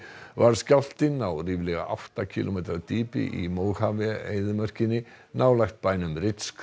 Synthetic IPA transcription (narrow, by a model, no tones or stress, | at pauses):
vaɾ̥scal̥t̪ɪnawriːvlɛɣa̰ʔa̰wht̪acʰḭlomejt̪ɾat̪iːpɪ̰ʔimoːwhaːvɪḛjðʏmœr̥cɪnːɪnawlajxt̪̚paːjnʏmrɪt̪sk